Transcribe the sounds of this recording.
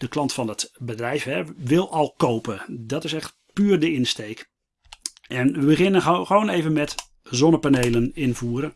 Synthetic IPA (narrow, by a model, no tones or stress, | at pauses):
d̥əklɑntfɑndətbədrɛjfɦɛʋɪlˠɑlˠkowpədɑtɪsɛχt | pyːrdəɪnstejk | ʔɛnʋəbəχɪnəχəʋoːnejvənmɛt | zɔnəpanejlənɪnvuːɾə